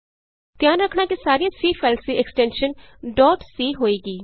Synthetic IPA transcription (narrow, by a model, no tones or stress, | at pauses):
t̪jãːnɾəkʰːɳ̃aːkisaːɾiːãːsiːpʰɛːlsiːʔɛksʈɛ̃ːnʃənɖɔːʈsiːɦoːiːɡiː